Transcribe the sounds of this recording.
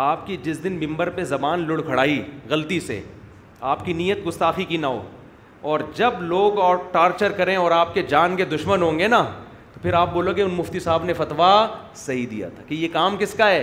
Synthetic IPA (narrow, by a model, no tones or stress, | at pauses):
aːpkid͡ʒɪsd̪ɪnmɪ̃mbəɾpezɐbaːnlʊɽkʰɐɽaːiɣɐlt̪isḛ | aːpkiniːjət̪̚ɡʊst̪aːxikinaːo̰ː | ɔːɾd͡ʒɐbloːɡɔːʈaːɾt͡ʃəɾkɐɾẽɔːɾaːp̚ked͡ʒaːnked̪ʊʃmənɦõːŋɡenaː | t̪opʰɪɾaːp̚boːlõkeʊnmʊft̪isaːbnefɐt̪ʋa | sɐɦid̪ḭja̰t̪ʰakijekaːmkɪskaɦɛː